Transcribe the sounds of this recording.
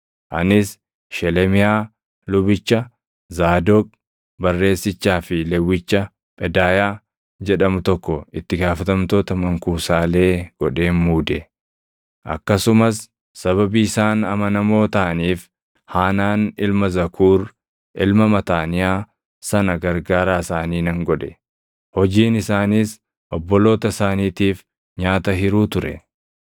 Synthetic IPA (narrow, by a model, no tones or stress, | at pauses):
ʔɐnɪs | ʃɛlɛmɪjaː | lʊbɪt͡ʃːɐ | zaːd̪ɔkʼ | bɐrːe̞ːsːɪt͡ʃːaːfɪlɛwːɪt͡ʃːɐ | pʼɛd̪aːjaː | d͡ʒɛᶑɐmʊt̪ɔkːɔɪt̪ːɪɡaːfɐt̪ɐmt̪oːt̪ɐmɐŋkuːsaːle̞ːɡ̥ɔᶑe̞ːmmuːd̪ɛ | ʔɐ̰kːɐsʊmɐsː | ɐβɐbiɪsaːnɐmɐnɐmo̞ːt̪ɐʔɐniːf | haːnaːnɪlmɐzɐkʰuːɾ | ʔɪlmɐmɐt̪aːnɪjaː | sɐnɐɡɐɾɡaːɾaːɪsaːniːnɐŋɡɔᶑɛ̥ | hɔd͡ʒiːnɪsaːniːs | ʔɔbːɔlo̞ːt̪ɐsaːniːt̪iːf | ɲaːt̪ɐɦɪɾuːt̪ʊɾɛ̰